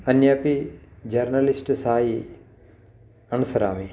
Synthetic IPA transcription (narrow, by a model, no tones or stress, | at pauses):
ɐnjaːpid͡ʒɐɾnəlɪsʈsaːɦi | ɐnusəɾa̰ːmi